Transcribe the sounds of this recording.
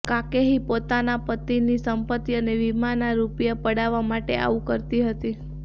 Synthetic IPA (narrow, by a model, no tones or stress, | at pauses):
kakeɦipot̪anapət̪ːinisəmpət̪ːiəneʋimanaɾupjapəɽaʋamaʈea̰ʋukəɾt̪iɦət̪i